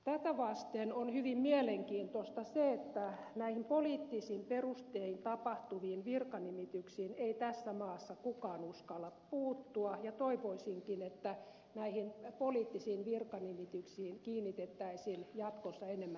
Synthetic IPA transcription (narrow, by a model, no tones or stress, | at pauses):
t̪æt̪æʋɑst̪enonhyʋimmieleŋkiːnt̪ost̪ɑseet̪ːænæihimpoliːt̪ːisimperust̪eint̪ɑpɑht̪uʋiːnʋirkɑnimit̪yksiːneit̪æsːæmɑːsːɑkukɑːnuskɑlːɑppuːt̪ːuɑjɑt̪oiʋoisiŋkinet̪ːæ | næihinpoliːt̪ːisiːnʋirkɑnimit̪yksiːnkiːnːit̪et̪ːæisiljɑt̪kosːɑenemːæ